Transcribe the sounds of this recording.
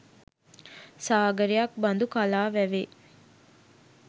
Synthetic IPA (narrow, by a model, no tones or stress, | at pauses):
saːɡɐɾijɐk̚bɐnd̪ukalaːʋæʋe